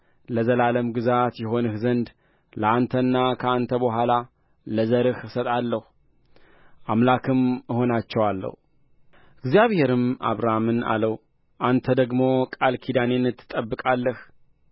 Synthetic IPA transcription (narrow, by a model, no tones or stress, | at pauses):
ləzəlaləmɡɨzat̪jɛɦo̞nɨhzənd̪ | ləant̪ʰənːakʰəant̪ʰəbəɦʷala | ləzəɾɨhsət̪ʼalːəhu | ʔamlakʰɨmɨho̞nat͡ʃːɛwalːə̰hu | ɨɡzijaβhe̞ɾɨmʔa̰βɾamɨna̰ləw | ʔant̪ʰəd̪əɡmo̞kʼalkʰid̪anenɨt̪ʰːɨ̥t̪ʼːəbːɨkʼalːəh